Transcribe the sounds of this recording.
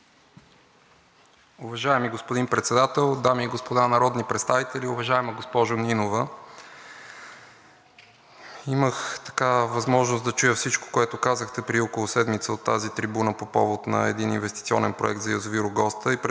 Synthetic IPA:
ʊvɐʒaɛmiɡospod̪inpɾɛt̪sɛd̪at̪ɛlˠd̪amiːɡospod̪anɐɾɔd̪nipɾɛt̪st̪avit̪ɛlʲiʊvɐʒaɛməɡospɔʒʊninovə | iməxt̪ɐ̥kavɐzmɔʒnosd̪ɐt͡ʃujəfsit͡ʃko̥koɛt̪ʊkazəxt̪ɛpɾiɔkolˠʊsɛd̪mit̪səot̪ːazit̪ɾibunəpopɔvot̪nɐ̰ɛ̰d̪ininvɛst̪it̪siɔ̰nɛnpɾoɛk̚t̪zɐjɐzoviɾʊɡɔst̪əipɾ

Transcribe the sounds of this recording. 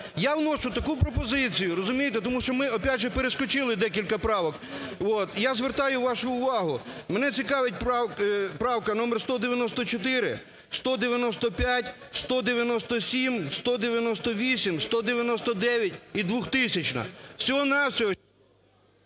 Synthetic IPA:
jawnɔʃʊt̪ɐkupɾɔpɔzɪt͡sʲijʊɾɔzʊmʲijet̪et̪ɔmuʃt͡ʃɔmɪɔpʲadʲʒɛpeɾeskɔt͡ʃɪlˠɪd̪ɛk̬ʲilʲkɐpɾɑʋɔk | ɔt̪jazʋert̪ɑjʊʋɑʃʊːʋɑɦʊmenɛt͡sʲikɑʋet̚ʲp | pɾɑwkɐnɔmerst̪ɔd̪eʋʲjɐnɔst̪ɔt͡ʃɔt̪ɪɾɪ | st̪ɔd̪eʋʲjɐnɔst̪ɔpʲjatʲ | st̪ɔd̪eʋʲjɐnɔst̪ɔsʲimst̪ɔd̪eʋʲjɐnɔst̪ɔʋʲisʲimst̪ɔd̪eʋʲjɐnɔst̪ɔd̪ɛʋʲjɐtʲid̪ʋuxt̪ɪsʲɐt͡ʃnɐ̰̥sʲɔɦɔnɑwsʲɔɦɔ

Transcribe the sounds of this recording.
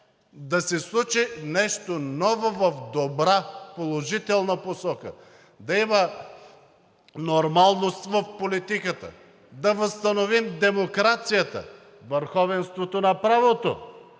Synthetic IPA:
d̪ɐsɛslˠut͡ʃinɛʃt̪onɔvovɐfd̪obɾapolˠoʒit̪ɛlˠnɐposɔkə | d̪ɐimə | noɾmalˠnost̪vɐfpolit̪ikət̪ə̰ | d̪ɐvəst̪ɐnovimd̪ɛmokɾat̪sijət̪ə̰ | vəɾxɔvɛnst̪vot̪onɐpɾavot̪o̰

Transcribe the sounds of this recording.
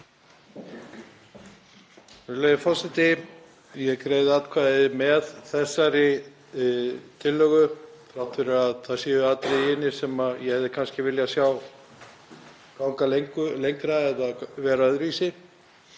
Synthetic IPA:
ɛlejðɪfɔsɪt̪ɪ | jɛkɾeːjðɪat̪kʰvaːðɪmɛðθɛsːaɾɪ | t̪ʰɪlːœɣʏθɾawht̪fʏɾɪaðθasjiːðʏat̪ɾeɪnːɪ̥sɛmaðjɛhɛvðɪkʰanscɪvɪljasjaw | kawŋkaleŋkʏlejŋkɾaɛðaðvɛːɾaœðɾviːsɪ

